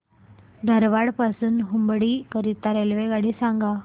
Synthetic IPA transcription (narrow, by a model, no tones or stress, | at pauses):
d̪ʱəɾʋaɽpasuːnɦumbɽiːkəɾit̪aɾelʋeɡaɽiːsaŋɡa